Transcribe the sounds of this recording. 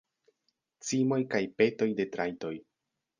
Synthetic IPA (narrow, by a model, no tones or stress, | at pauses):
t͡simo̞jkajpe̞to̞jde̞tɾajto̞j